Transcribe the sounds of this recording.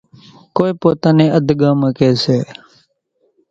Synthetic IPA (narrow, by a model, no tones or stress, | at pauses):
koːiːpoːt̪aːnẽːʔəd̪ʱɡãːməkeːseː